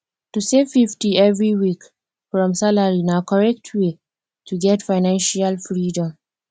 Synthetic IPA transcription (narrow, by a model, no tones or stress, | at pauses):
tusevfiftiɛvɹiwik | fɹɔ̃msalaɹinakɔɹɛk̚tʰwe | tʰuɡɛtfaɪnãnʃalfɹidɔ̃m